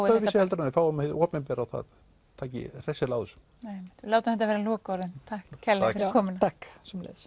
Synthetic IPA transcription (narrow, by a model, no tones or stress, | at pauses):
œvɪsɪɛlt̪ɾnanːɪfaːwamhɪðɔːpnɛpɛɾawθa̰ð | t̪ʰaːcɪ̰r̥ɛsɪlaːwðʏsʏ̥m | emɪt̪laːwt̪amθɛt̪avɛːɾalɔːkɔɾðʏnt̪ʰahkcʰːɛlːfɪɾɾkʰɔːmnat̪ʰaksɛmlḛs